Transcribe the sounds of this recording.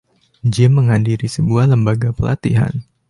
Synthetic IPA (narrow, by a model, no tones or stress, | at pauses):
d͡ʒɪmːəŋɦadiɾisəbuahləmbaɡapəla̰t̪iɦa̰n